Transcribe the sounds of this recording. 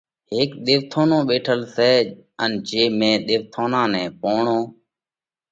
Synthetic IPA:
ɦeːkɗ̪eːʋt̪ʰoːnõːɓeːʈʰəlsɛːənd͡ʒeːmẽːɗ̪eːʋt̪ʰoːnãːnɛ̃ːpoːɳõː

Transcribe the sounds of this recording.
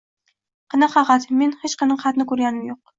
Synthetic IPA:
qʰɨnɨqfɑqɑt̪me̞nhet͡ʃqɨnɨqʰɑt̪nɪkɵɾɡʲanɪmjoq̚

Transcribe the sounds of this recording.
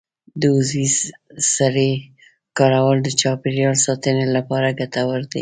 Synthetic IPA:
d̪əʊzizsaɾe | kɑɾawəld̪ət͡ʃɑpeɾjɑlsɑt̪ənelapɑɾaɡat̪awəɾd̪ḭ

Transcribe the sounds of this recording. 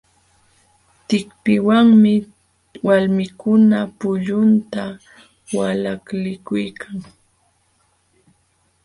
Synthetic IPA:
t̪ɪkpɪwaŋmɪ | walmɪkʊnapʊʎʊnt̪a | walaklɪkʊjkʰaŋ

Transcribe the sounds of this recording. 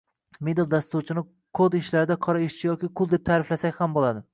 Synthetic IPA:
med̪ɪlˠd̪ast̪ut͡ʃʰɪnɪ | kʰod̪ɪʃlaɾɪd̪aqʰɒɾaɪʃt͡ʃʰɪjɒkʲɪqʰʊlˠd̪ep̚t̪ʰaːɾɪflasakʲhambolˠad̪ɪ

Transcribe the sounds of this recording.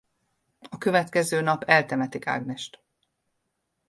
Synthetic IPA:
ɒkøvɛt̪kɛzøːnɒpɛlt̪ɛmɛt̪ika̰ːɡnɛʃt̪

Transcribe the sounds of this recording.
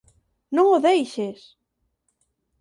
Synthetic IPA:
nõŋoðejʃes

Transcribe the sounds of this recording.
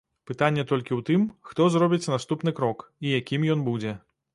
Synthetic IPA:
pɨt̪anʲːɛt̪ɔlʲkʲiwt̪ɨmxt̪ɔzɾɔbʲit͡sʲnast̪upn̪ɨkɾɔkijakʲimjɔnbud͡zʲɛ

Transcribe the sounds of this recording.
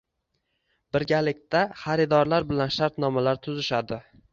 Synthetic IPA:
b̥ɪɾɡʲalɪk̚ʲt̪aχaɾɪd̪ɒɾlaɾbɪlanʃaɾt̪nɒmalaɾt̪ʰʊzɪʃad̪ɪ

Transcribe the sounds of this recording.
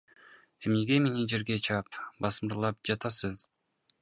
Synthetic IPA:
e̞mneɡemenid͡ʒe̞ɾɡe̞t͡ʃʰɑpbɑsɯmɯɾlˠɑp̚d͡ʒɑt̪ɑsɯz

